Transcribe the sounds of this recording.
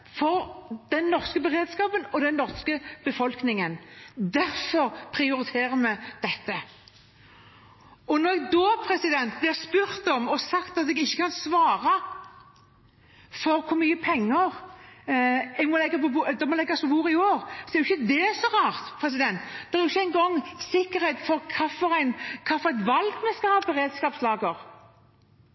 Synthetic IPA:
fɔɾd̪̥ɛnːɔʁskəbəɾeːd̪skɑːpənɔd̪ɛnːɔʁskəb̥əfɔlknɪŋənd̪æɾfɔɾpʰɾɪʊɾɪt̪ʰeːɾəmɛd̪̥ɛt̪ːə | ɔnɔɾɛɡ̚d̪oːpʰɾɛsɪd̪ɛnt̪̚blɪʁspʉɾt̪ɔmɔsɑkt̪ɑt̪ɛɡɪçːəkɑnsʋɑːɾɑ | fɔɾkʰʊɾmyːəpʰɛŋːəɾ | ɛɡmɔlɛɡːɑpɔbud̪ɛmɔlɛɡːɑsɔbuːɾɪoːɾsɔd̪ɛɾjɪçːəd̪ɛsɔʁɑːɾt̪pʰɾɛs̬ɪd̪ɛnt̪d̪̥ɛɛæɾʊɪçːəæɪnɡɔŋːsɪkːəɾhɛɪt̪fɔɾkʰɑːfɔɾæɪnkʰɑːfɔɾɛɪt̪ʋɑlɡmɛnskɑhɑːbəɾeːd̪skɑːpslɑːɡəɾ

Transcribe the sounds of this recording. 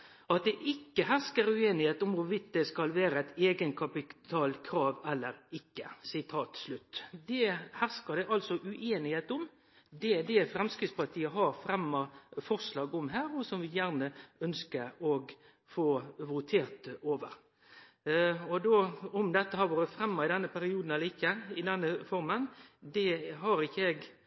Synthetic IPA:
ɑt̪̚d̪ɛʔɪkːəɦæskəɾʉeːnɪheːt̪ʊmʋʊʋɪd̪̚d̪ɛskɑlʋæːɾəæɪt̪eːɡənkʰɑpɪt̪ʰɑːlkʰɾɑːʋɛlːəɾɪkːəsɪt̪ʰɑːt̪slʉt̪ːd̪ɛhæʁskəɾd̪ɛʔɑlsɔʔʉʔeːnɪheːt̪ʊm | d̪ɛd̪ɛfɾɛmskɾɪt̪spɑɾt̪ʰiːəɦɑɾfɾɛmːɑfɔʁʂlɑːɡɔmɦæːɾɔsɔmʋɪjæɾnəœnskəɾɔɡ | foːʋʊt̪ʰeːʁt̪oːʋə̰ɾ | ɔd̪oɔmd̪ɛt̪ːəhɑɾʋoːɾət̪fɾɛmːɑɪd̪ɛnːəpʰæɾɪuːd̪n̩ɛlːəɾɪkːəɪd̪ɛnːəfɔɾmənd̪ɛɦɑɾɪçːəɛɡ

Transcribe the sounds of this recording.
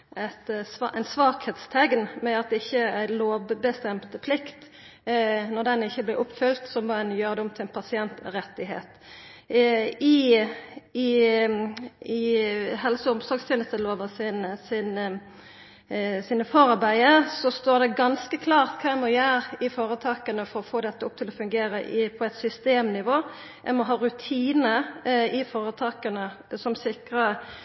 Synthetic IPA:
æt̪sɑʔæɪnsʋɑːkheːt̪st̪ʰɛɡnmɛɑt̪̚d̪ɛɪçːəæɪloːʋbəst̪ɛmt̪əpʰlɪkt̪ | nɔʁd̪ɛnɪçːəblɛʔʊpfʏlt̪sɔmmɔæɪnjøːɾəd̪ʊmt̪ʰɪlnpʰɑsɪɛnt̪ɾɛt̪ːɪɦḛːt̪ | ɪ | ɪhɛlsəʊmsɔɾɡst̪jeːnəst̪əloːʋəsɪnsɪn | siːnəfoːɾɑɾbæɪəɾsɔst̪oːd̪ɛɡɑnskəkʰlɑːʁt̪kʰɑːæmɔjæɾɪfoːɾət̪ʰɑːkənəfɔɾɔfoːd̪ɛt̪ːəʊp̚t̪ʰɪlɔfʉŋɡeːɾəʔpʰɔɛt̪sʏst̪eːmnɪʋoː | æ̰ɪmɔɦɑːɾʉt̪ʰiːnəɪfoːɾət̪ʰɑːkənə | sɔmsɪkɾə

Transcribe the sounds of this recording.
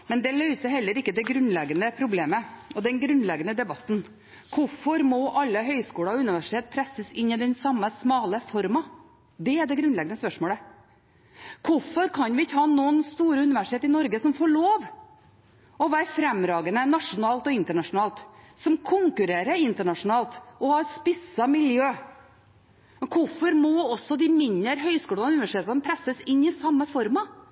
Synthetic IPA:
mɛnd̪ɛlœʏsəɦɛlːəɾɪkːəd̪ɛɡɾʉnlɛɡənəpʰɾʊbleːməɔd̪ɛnɡɾʉnlɛɡənəd̪ɛbɑt̪ːn | kʰʊfɔɾmɔʔɑlːəɦœʏskuːlɑɔʉnɪʋæʂɪ̥t̪eːt̪̚pʰɾɛsəsɪnːɪd̪ɛnsɑmːəsmɑːləfɔɾmɑ | d̪ɛæɖɛɡɾʉnlɛɡənəspœʂmoːlə | kʰʊfɔɾkʰɑnʋɪɪçːəhɑːnoːənst̪uːɾəʉnɪʋæʂɪt̪ʰeːt̪ɪnɔɾɡəsɔmfoːɭoːʋ | ɔʋæːɾfɾɛmɾɑːɡənənɑʂʊnɑːlt̪ɔɪnt̪əɳɑʂʊnɑːlt̪sɔmkʰʊŋkʉɾeːɾəɾɪnt̪əɳɑʂʊnɑːlt̪ɔhɑɾspɪsɑmɪljøː | mkʰʊfɔɾmɔɔsɔd̪ɪmɪnəɾɦœʏskuːlɑnʉnɪʋæʂɪt̪ʰeːt̪ɑnəpʰɾæsːəsɪnːɪsɑmːəfɔɾmɑ

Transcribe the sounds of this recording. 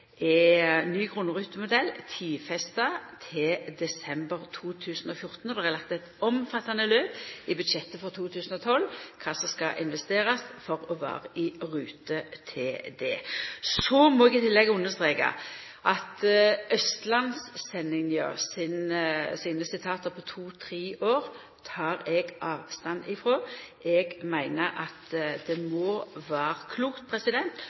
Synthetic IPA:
ɛnyːɡʁʊnːʁʉːt̪əmʊd̪ɛlːt̪ʰiːfɛst̪ɑt̪ʰɪd̪ɛsɛmbəʁt̪ʰuːt̪ʰʉːsən̩ɔfjʊʁt̪n̩ɔd̪ɛhɛɪlɑk̚t̪ɛt̪ɔmfɑt̪ːɑnəløːpɪbʉd̪ʃɛt̪ːəfɔʁt̪ʰuːt̪ʰʉːsn̩ɔt̪ʰɔlːkʰɑːsɔmskɑʔɪnʋɛst̪eːʁɑsfɔʁɔʋɑ̰ːʁəʔɪʁʉːt̪ət̪ʰɪd̪ɛ̰ːsɔmɔɛɡɪt̪ʰɪlːɛɡːəʊnːəst̪ʁeːkɑ̰ | ʔɑt̪ʔœst̪lɑnsːɛnːɪŋnjø̰ːʁsɪnsiːnəsɪt̪ʰɑːt̪əpʰɔt̪ʰuːt̪ʰɾiːʔoːʁ | t̪ʰɑːʁɛɡʔɑːʋst̪ɑnɪfɾoːɛɡmæɪnəʔɑt̪d̪ɛmɔʋæːʁəkʰluːkt̪̚pʰɾɛsɪd̪ɛnt̪

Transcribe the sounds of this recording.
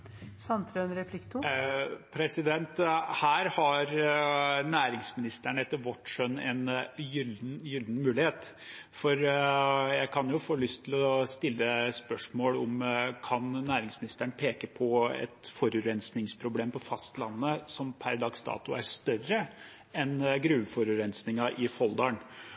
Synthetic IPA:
sɑnt̪ɾønɾɛpʰlɪkt̪ʰupʰɾɛsɪd̪ɛnt̪hæːɾhɑɾ | næːɾɪŋsmɪnɪst̪əɳəɛt̪ːəɾʋɔʈːʂœnːɛnjʏld̪n̩jʏld̪n̩mʉːlɪheːt̪ | fɔɾ | jæɪkʰɑnjʊfoːlʏst̪ʰːɪlɔst̪ɪlːəspœʂmoːlʊmkʰɑnnæːɾɪŋsmɪnɪst̪æɳpʰeːkəpʰɔɛ̰t̪fɔɾʉɾɛnsnɪŋspʰɾʊbleːmpɔfɑst̪lɑnːəsɔmpʰæɾd̪ɑːɡsd̪ɑ̰ːt̪ʊæɾst̪œrə | ɛnɡɾʉːʋfɔɾʉɾɛnsnɪŋɑʔɪfɔld̪ɑɳ

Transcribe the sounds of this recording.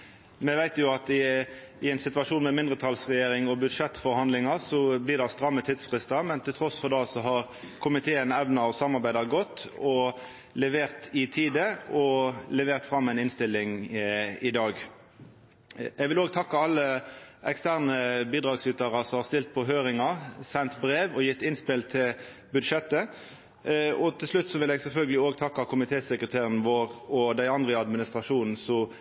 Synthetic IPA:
mɛʋæɪt̪jʊɑt̪ɪ | ɪɛɪnsɪt̪ʉɑʂuːnmɛmɪnd̪ʁət̪ʰɑlsʁɛjeːʁɪŋɔbʉd̪ʂɛt̪ːfɔɾhɑnd̪lɪŋɑsɔblɪʁd̪ɑst̪ɾɑmːət̪ʰiːd̪sfʁɪst̪ɑmɛnt̪ʰɪlt̪ʰɾɔsfɔʁd̪ɛlsɔɦɑʁ | kʰʊmɪt̪ʰeːənɛʋnəɑʋsɑmːɑʁbæɪd̪ɑɡɔt̪ːɔ | lɛʋeːʁt̪ɪt̪ʰiːd̪əɔlɛʋeːʁt̪fɾɑmːæɪnɪnst̪ɪlːɪŋ | ɪd̪ɑːɡ | ɛɡʋɪloːɡt̪ʰɑkːɑɑlːəɛkst̪æʁnəbiːd̪ʁɑːɡsʏt̪əʁɑsɔmhɑʁst̪ɪlt̪̚pʰɔɦøːɾɪŋɑsɛnt̪bɾeːʋɔjɪt̪ːɪnspɪlt̪ʰɪ | bʉd̪ʂɛt̪ːə | ɔt̪ʰɪlslʉt̪ːsɔʋɪlɛɡsɛlfœlɡəlɪoːɡt̪ʰɑkːɑkʊmɪt̪ʰeːsəkʁət̪ʰeːʁənəʋoːʁɔd̪æɪɑnd̪ʁəɑd̪mɪnɪst̪ʁɑʂuːnn̩sɔ

